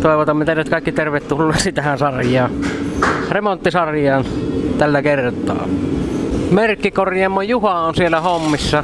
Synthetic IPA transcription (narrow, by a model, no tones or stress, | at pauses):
t̪oˑeʋot̪ɑmmet̪eˑilːˑæt̪kɑˑikːit̪erʋet̪t̪ulːeːsit̪æhænsɑrjˑɑːn | remont̪ːisɑrjˑɑːnt̪ælːækert̪ˑɑ̰ː | merkːikorjɑmːojuhɑonsielːæhomːisːɑ